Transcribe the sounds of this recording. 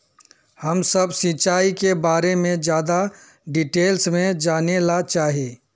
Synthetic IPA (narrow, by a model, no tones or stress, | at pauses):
həmsəbsɪt͡ʃaːikebaːɾemẽd͡ʒjaːd̪a | ɖɪʈeːlsmẽd͡ʒaːnelat͡ʃaːɦieː